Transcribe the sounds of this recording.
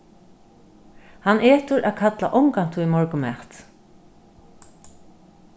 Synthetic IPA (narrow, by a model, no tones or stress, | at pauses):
hanʔeːt̪ʊɾʔaːðkʰat̪la̰ʔɔŋkant̪ʰuimɔɹkʊmɛ̰ht̪